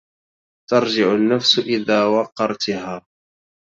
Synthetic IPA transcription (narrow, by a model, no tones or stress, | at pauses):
t̪ɑɾˤd͡ʒɪʕʊnːafsʔɪðaːwɑqːɑɾˤt̪ɦaː